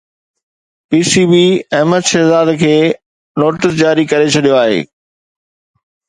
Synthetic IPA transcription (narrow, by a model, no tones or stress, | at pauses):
piːsibiːɛɦməd̪ʃɛːzaːd̪kʰeː | noːʈɪs̬d͡ʑaːɾikɐɾet͡ɕʰɐɗijoaːɦḛː